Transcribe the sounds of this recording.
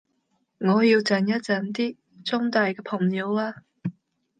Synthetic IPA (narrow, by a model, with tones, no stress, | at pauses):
ŋɔː˨˧jiː˧wt͡sɐ˨njɐ˥t̚t͡sɐ˨˩nt̪iː˥ | t͡sʊ˥ŋt̪aː˨˧jkɛː˧pʰʊ˨˩ŋjiː˨˧waː˧